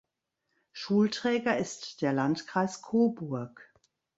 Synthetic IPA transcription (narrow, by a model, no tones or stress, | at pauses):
ʃuːltʁ̥ɛːɡɐɪstd̥eːɐlantkʁ̥aɪskʰoːbʊɐk